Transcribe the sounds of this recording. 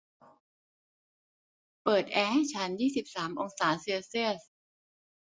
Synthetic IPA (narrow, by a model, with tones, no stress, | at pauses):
pɤː˨˩t̪̚ʔɛː˧ha˥˩jt͡ɕʰa˦˥njiː˥˩si˨˩p̚saː˩˦mʔo˧ŋsaː˩˦siː˧si˥˩əs